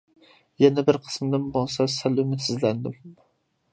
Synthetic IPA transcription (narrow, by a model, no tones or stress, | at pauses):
jɛnɛbɪɾqʰə̥smd̪ɨnbolˠsɑsælymɪt̪sɪzlænd̪ɪm